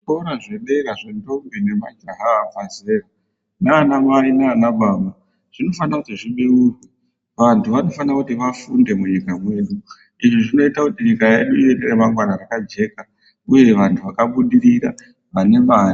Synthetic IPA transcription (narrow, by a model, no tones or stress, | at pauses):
oɾaʐeɗeɾaʐendo̞mbene̞mad͡ʒaɦaːfazera | naːnamainaːnaɓʱama | ʐ̥ino̞fanakutiʐiɓirurwe | ʋantʰuʋano̞fanirakutiʋafunde̞muɲikamwe̞ɗu | iʐiʐino̞itakutiɲikaje̞ɗuieneremaŋɡwanaɾakad͡ʒe̞ka | uje̞ʋantʰuʋakaɓuɗiɾiɾa | ʋane̞man